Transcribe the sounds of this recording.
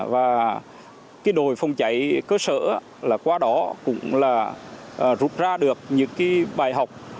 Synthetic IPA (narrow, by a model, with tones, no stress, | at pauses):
vaː˨˩ | kaː˨˦jɗo˨˩jfa˧wŋ͡mt͡ɕa˧˩jkəː˧sə̰ː˧˩˧ | laː˨˩kwaː˧ɗɔ˨˦kʊ̰˧˥ŋ͡mlaː˨˩˨ | zu˨˩t̚zaː˧ɗɨ˨˩ək̚ɲɨ̰˧˥ŋkaː˨˦jɓaː˨˩jɦa˨˩wk͡p̚